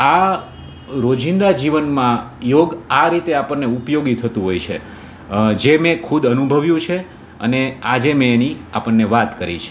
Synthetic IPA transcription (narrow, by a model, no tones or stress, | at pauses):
a | ɾod͡ʒĩnd̪ad͡ʒiʋənmãjoɡaɾit̪eapəɳːeupjoɡit̪ʰət̪ũɦojt͡ʃʰḛ | d͡ʒemẽkʰud̪ənubʱəʋjũt͡ʃʰe | ə̰nead͡ʒemẽːniapəɳːeʋat̪kəɾḭt͡ʃʰe̥